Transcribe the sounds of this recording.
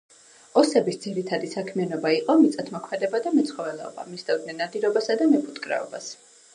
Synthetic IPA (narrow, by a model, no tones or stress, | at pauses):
ɔsɛbisd̪ziɾit̪ʰad̪isakʰmianɔbaiqʼɔmit̪sʼat̪ʰmɔkʰmɛd̪ɛbad̪amɛt̪sʰχɔvɛlɛɔ̰ba̰misd̪avd̪nɛnːad̪iɾɔbasad̪amɛpʰut̪ʼkʼɾɛ̰ɔ̰bas